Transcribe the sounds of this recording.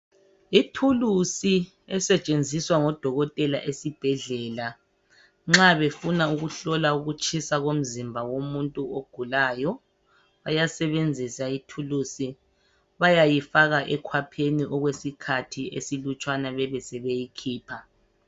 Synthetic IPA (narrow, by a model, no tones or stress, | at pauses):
itʰulusi | ɛsɛt͡ʃʼend͡zʱiswaŋɔd̥ʱɔɣɔtʼɛlaʔesib̥ʱɛɮɛːla | ŋ͡ǁaβefunauɣuɬɔlauɣut͡ʃʰʼisaɣom̩zimbʱawomuntʼuoɡ̥ʱulajɔ | βajasɛβend͡zʱisaitʰulusi | βajajifaɣaʔɛkʰwapʰeniʔɔɣwesikʰatʰiesilut͡ʃʼwanaβɛβɛsɛβejikʰiːpʰa